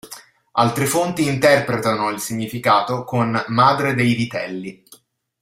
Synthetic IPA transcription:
alt̪ɾefont̪iːnt̪ɛrpɾet̪anoilsiɲːifikaːt̪okonmaːd̪ɾed̪ejvit̪ɛ̰lːi

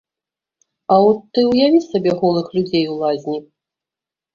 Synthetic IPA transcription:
aɔt̪ːɨwjavʲit͡sʲsʲabʲɛɣɔlˠɨxlʲud͡zʲejwlˠazʲnʲi

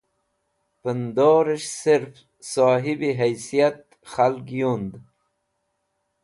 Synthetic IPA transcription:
pənd̪oːɾɪʃsɪɾf | soːɦibiɦajsijat̪̚ | xalkjund̪

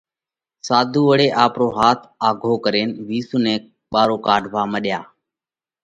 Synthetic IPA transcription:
saːd̪ʱuːʋəɽeːʔaːpɾoːɦaːt̪ʰaːɡʱoːkəɾeːnʋiːsuːnẽːk̚ | ɓaːɾoːkaːɖʱʋaːməɗjaː

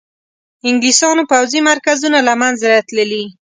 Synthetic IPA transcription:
ɪŋɡlisɑnopawzimaɾkazunalamanzaɾat̪ləli

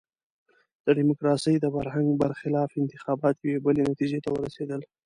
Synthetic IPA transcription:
d̪̥əɖimʊkɾɑsəjd̪əbaɾɦaŋɡbaɾxɪlɑfɪnt̪ɪxɑbɑt̪jewebəlenat̪id͡ʒet̪awəɾased̪əl

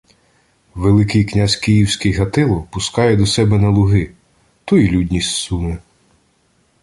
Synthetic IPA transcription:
ʋelˠɪkɪjknʲasʲkijiwsʲkɪjɦɐt̪ɪlˠɔpʊskɑjɛd̪ɔsɛbɛnɐlˠʊɦɪ | t̪ujilʲudʲnʲisʲsumɪ

